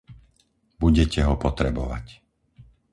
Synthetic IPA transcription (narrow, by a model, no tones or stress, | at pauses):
buɟɛcɛɦɔpɔt̪ɾɛbɔʋa̰c